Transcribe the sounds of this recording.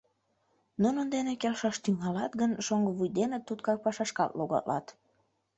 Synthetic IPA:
nunənd̪enekelʃɑʃt̪yŋɑlɑt̪ɡənʃoŋɡəβujd̪enət̪ːut̪kɑk̚pɑʃɑʃkɑ̰t̪loɣɑ̰lɑ̰t̪

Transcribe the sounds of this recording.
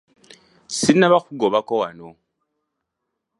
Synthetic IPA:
sinːaβakuɡoβakowano

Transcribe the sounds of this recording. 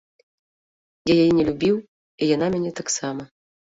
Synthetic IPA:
jajajinʲɛlʲubʲiw | ijanamʲɛnʲɛt̪aksamɐ

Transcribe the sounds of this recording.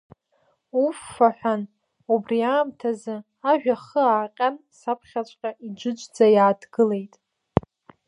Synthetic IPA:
ufːaħʷᶣan | ubriaːmtʰazɨ | aʒᶣaχəaːqʲʼansapʰχʲat͡ʃʷʼqʲʼaʔid͡ʒʷɨd͡ʒʷʼd͡zajaːdʰɡɨle̞jtʼ

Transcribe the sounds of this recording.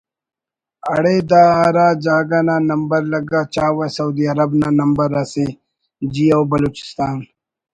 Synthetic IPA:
aɽed̪aːɾaːd͡ʒaːɡananɐmbɐɾlɐɡat͡ʃaːwasɐud̪iɐɾɐbnanɐmbəɾase | d͡ʑiawbɐloːt͡ʃɪ̥st̪aːn

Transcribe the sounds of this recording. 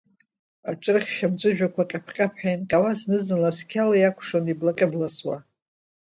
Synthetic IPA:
aʈ͡ʂʼɨrχʲːamt͡ʃʷʼʊʒᶣakʷʰaqʲʼapʰqʲʼapʰħajnqʲʼawasnɨznɨlaskʲʰalajakʷʰʂoniblaqʲʼɪblaswa

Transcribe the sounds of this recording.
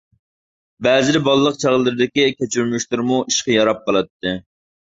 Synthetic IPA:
bæːzɪlɪbɑlˠlˠəq̚t͡ʃʰɑʁlˠːɨɾɨd̪ɪkʲikʲet͡ʃʰyɾmyʃlɨɾmuʔiʃqɑjɑɾɑp̚qɑlˠɑt̪ːɨ

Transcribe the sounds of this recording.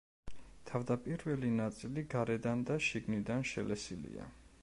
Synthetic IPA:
t̪ʰavd̪apʼiɾvɛlinat̪sʼiliɡaɾɛd̪and̪aʃiɡnid̪anʃɛ̰lɛsilḭa̰

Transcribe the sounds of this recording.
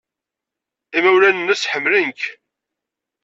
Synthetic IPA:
imæwlænənːəsħəmːlənk

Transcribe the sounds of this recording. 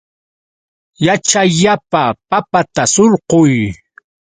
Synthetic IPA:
jat͡ʃaʎapapapat̪asoɾqʊj

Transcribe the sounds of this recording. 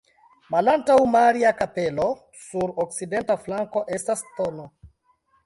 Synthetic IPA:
malantawmaɾiakapelo | suɾok̚sidentaflaŋko̞ʔestastono

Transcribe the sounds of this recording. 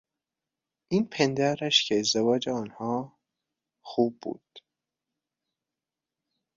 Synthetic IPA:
ʔiːnpʰend̪æɾæʃcʰeːzd̪evɒːd͡ʒeɒːnhɒː | xuːb̚ːṵːd̪̥

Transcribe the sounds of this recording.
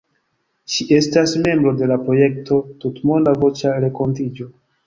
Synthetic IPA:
ʃiʔe̞stasme̞mbɾo̞de̞lapɾo̞je̞k̚to̞tutmondavo̞t͡ʃaɾe̞ko̞ntid͡ʒo̞

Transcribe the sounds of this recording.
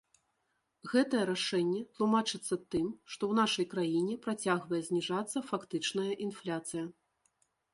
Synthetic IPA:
ɣɛt̪ɐjɛɾaʂɛnʲːɛt̪lˠumat͡ʂɨt̪sːɐt̪ɨmʂt̪ɔwn̪aʂɐjkɾajinʲɛpɾat͡sʲaɣvɐjɛzʲnʲiʐat̪sːɐfakt̪ɨt͡ʂnɐjɐʔinflʲat̪sɨjɐ

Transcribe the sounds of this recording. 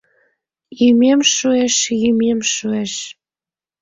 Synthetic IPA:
jymemʃueʃjymemʃueʃ

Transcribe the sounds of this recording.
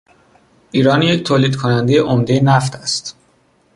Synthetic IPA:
ʔiːɾɒːnject̪ʰoːliːd̪kʰonænd̪ejeʔomd̪e̞jenæft̪ʰæst̪

